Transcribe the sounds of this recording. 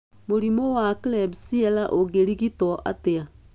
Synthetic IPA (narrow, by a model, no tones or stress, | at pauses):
moɾimɔwaklebsiɛlaʔoɣeɾiɣitɔʔa̰tea